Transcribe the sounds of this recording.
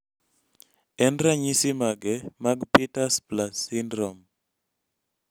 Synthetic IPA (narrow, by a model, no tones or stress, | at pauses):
ɛnɾaɲisimaɡɛmaɡpitasplasindɾɔm